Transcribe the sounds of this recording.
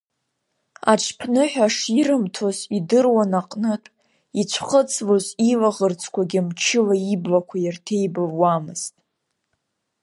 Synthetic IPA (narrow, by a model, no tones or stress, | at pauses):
a̰ʈ͡ʂʰpʰnɨħʷᶣaʂiɾɨmtʰozidɨrwanaqʼnɨtʷʼ | it͡ɕʷʰχət͡sʰlozilaʁərt͡sʰkʷʰaɡʲɪmt͡ʃʰɪlaiblakʷʰajartʰe̞jbavwamɨz̥tʼ